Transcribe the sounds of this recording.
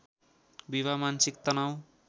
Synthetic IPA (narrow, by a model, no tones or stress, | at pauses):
biβamansik̚t̪ʌnaw̃